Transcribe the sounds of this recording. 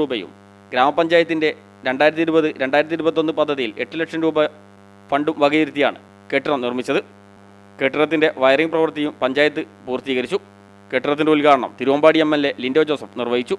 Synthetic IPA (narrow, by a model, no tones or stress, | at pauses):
uːbɐjṵm | ɡɾaːmɐpːɐɲd͡ʑaːjɐt̪ːinde̞ | ɾe̞ɳɖaːjɾɐt̪ːiɾubɐðɨɾe̞ɳɖaːjiɾɐt̪iɾubɐt̪ːonːɨpɐd̪ʱːɐðijile̞ʈːɨlekʂɐmɾuːbɐ | fɐɳɖumʋɐɡɐjiɾut̪ːija̰ːɳɨ̰ | keːʈːrɐmnirmit͡ɕːɐðɨ | keːʈrɐrɐt̪ːinde̞ʔʋɐjriŋprɐʋɐrt̪ɐjumpɐɲd͡ʑaːjɐt̪ːɨ | puːrt̪iːɣɐɾit͡ɕːu | keːʈːrɐt̪̬ːindeulkaːɽɐɳɐ̰mt̪iɾuʋɐmbaːɽiemːelːe̞lindo̞ːt͡ɕo̞ːsɐmnirʋɐjit͡ɕːu